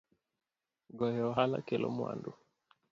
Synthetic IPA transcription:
ɡɔjɛɔɦala̰kɛlʔɔ̰mwa̰ndu

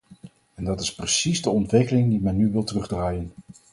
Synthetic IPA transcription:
ɛndɑtɪsprəsizdəɔntʋɪkəlɪŋdimɛnːyʋɪlˠtərɵχdraːjən

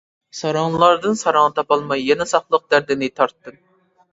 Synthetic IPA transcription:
sɑɾɑŋllˠɑɾd̪ɨnsɑɾɑŋt̪ʰɑpɑlˠmɑjːɛnɛsɑχlˠəq̚d̪̥æɾd̪ɪnɪt̪ʰɑɾt̪ːɨm

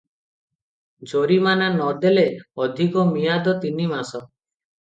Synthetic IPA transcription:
d͡ʒoɾimananɔd̪eleɔd̪ʱikɔmijad̪ɔt̪inimasɔ

